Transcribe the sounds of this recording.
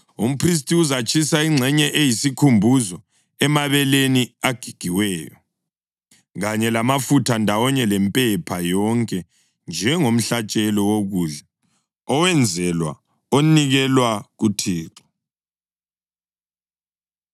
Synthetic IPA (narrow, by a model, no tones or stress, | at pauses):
um̩pʰris̬tʼiuzat͡ʃʼisaiŋ͡ǀʱɛɲɛʔejisikʰumbʱuzɔ | ɛmaβɛleniaɡ̥ʱiɡ̥ʱiwɛːjɔ̰ | ɣaɲɛlamafutʰandʱawɔɲɛlɛmpʼɛpʰajɔŋkʼɛ | nd͡ʒʱɛŋom̩ɬat͡ʃʼɛlɔwoɣuːɮɛ | ɔwɛnd͡zʱɛlwa̰ | oniɣɛlwaɣutʰiːǁɔ̥